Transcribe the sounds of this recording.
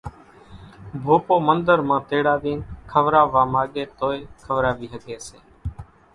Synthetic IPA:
bʱoːpoːmənd̪əɾmãːt̪eːɽaːd̪iːnkʰəʋɾaːʋaːmaːɠeːt̪oːeːkʰəʋɾaːʋiːɦəɠeːsḛː

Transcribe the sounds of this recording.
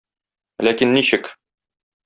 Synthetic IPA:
lækinːiɕɘk

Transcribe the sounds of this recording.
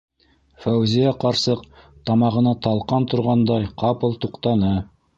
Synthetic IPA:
fæwzijæqɑɾsɤqt̪ɑmɑʁɤ̆nɑt̪ɑlˠqɑnt̪ŏɾʁɑnd̪ɑjqɑpɤ̆lˠt̪uqt̪ɑnɤ

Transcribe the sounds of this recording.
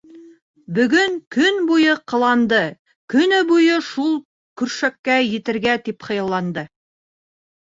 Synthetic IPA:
bɵ̆ɡɵŋkʰɵnbujɤqʰɤ̆lˠɑnd̪ɤ | kɵ̆nɘbujɤʃulˠ | kɵ̆ɾʃækːæjɘ̆t̪ɘ̆ɾɡæt̪ipχɤ̆jɤ̆lˠːɑnd̪ɤ

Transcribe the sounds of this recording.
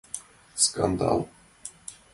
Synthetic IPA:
skand̪ɑ̰ːl

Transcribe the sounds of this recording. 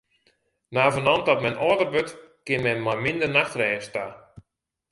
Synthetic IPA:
naːvənɔndɔtmɛnʔɔːdərbøtkɪnmɛnmajmɪndərnaxtrɛːsta

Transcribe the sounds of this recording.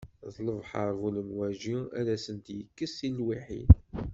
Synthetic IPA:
ðˤləvħəɾˤvuləmwæʒiæ̰læsənt̪jəkːəsilːwiħḭd̪

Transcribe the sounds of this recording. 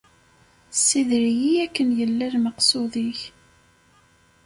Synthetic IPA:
sːiðɾijiækːənjəlːæɾməqsʊðiç

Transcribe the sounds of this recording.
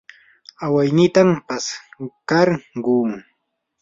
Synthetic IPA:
awajnɪt̪ampaskaɾɢuːŋ

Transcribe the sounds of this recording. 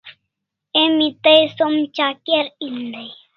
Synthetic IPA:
emit̪əjsomt͡ʃakeɾind̪əj

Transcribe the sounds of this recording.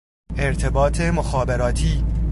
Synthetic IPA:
e̞ɾt̪ʰe̞bɒːt̪ʰemoxɒːbe̞ɾɒːt̪ʰiː

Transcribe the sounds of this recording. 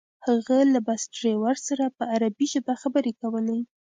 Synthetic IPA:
haɣalabasʈɾewaɾsaɾapəaɾabiʒɪb̪axabəɾekawəle

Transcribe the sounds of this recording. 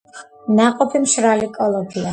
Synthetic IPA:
naqʼɔpʰimʃɾalikʼɔlˠɔɡʰia

